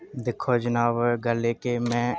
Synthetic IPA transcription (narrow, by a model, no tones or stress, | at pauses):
d̪ɪkʰod͡ʒənaːʋəɡəlekemɛ̃ː